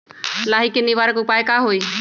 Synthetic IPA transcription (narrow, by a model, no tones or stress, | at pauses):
laːɦikɪniʋaɾkʊpaːjkaːɦoi